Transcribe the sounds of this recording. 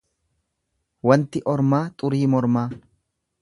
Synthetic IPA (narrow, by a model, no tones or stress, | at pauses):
wɐnt̪ɪʔɔɾmaːt̪ʼʊɾiːmɔɾmaː